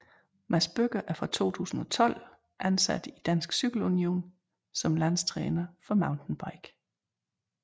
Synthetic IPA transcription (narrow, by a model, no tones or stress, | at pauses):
mæsb̥øɡ̥ɐʔæɐfʁɑ̈t͡sʰo̝̰ːt͡sʰṵːsn̩ɒ̽t͡sʰɒ̽l̰ | ʔænsæ̰d̥id̥æn̰sɡ̥syɡ̥l̩unio̝̰ːn | sɒ̽mlæn̰st͡sʰʁɛːnɐfɒ̽mɑ̈ʊndn̩b̥ɑ̈ɪɡ̥